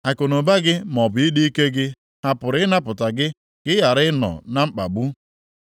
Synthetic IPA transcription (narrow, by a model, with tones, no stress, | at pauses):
a˨ko˨no˨ba˦ɡɪ˦m˨ɔ˨bʊ˨i˦di˦i˦ke˦ɡɪ˦ | a˨pʊ˨ɾɪ˦ɪ˦na˦pʊ˨ta˨ɡɪ˦ | ɡ̥ɪ˦ja˨ɾɪ˦nɔ̰˨na˦m̩˦k͡pa̰˨ɡ͡bu˦